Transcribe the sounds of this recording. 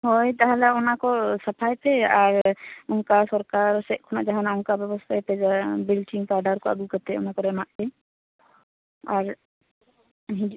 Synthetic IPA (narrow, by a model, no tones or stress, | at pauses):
ɦojt̪aɦãlaʊnakɔsəpʰajpeaɾʊnkasɔɾkaɾsɛʔkʰunaʔd͡ʒaɦanaʊnkabjɛbɔst̪ʰajped͡ʒbilʈiŋpaɖʱaɾkoə̰ɡukəɾt̪ɛʊ̰nakɔɾɛmaʔpe | aɾ | ɦd͡ʒ